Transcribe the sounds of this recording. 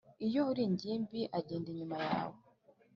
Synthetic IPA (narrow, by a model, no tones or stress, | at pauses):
ijohuɾiɲɟiːmbiʔaɟiːndiɲimaja̰ːwo